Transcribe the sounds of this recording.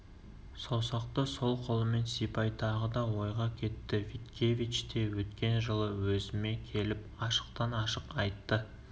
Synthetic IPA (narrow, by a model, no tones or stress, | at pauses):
sowsɑq̚t̪əso̞lˠqʰo̞lˠəme̞nsijpɑjt̪ʰɑʁəd̪ɑwo̞jʁɑkʲʰe̞t̪ːɪvit̪kʲe̞vit͡ʃt̪e̞wɵt̪kʲe̞nʒəlˠəwɵzɪme̞kʲʰe̞lɪp̚ɑʃə̥q̚t̪ɑnɑʃəqɑjt̪ːə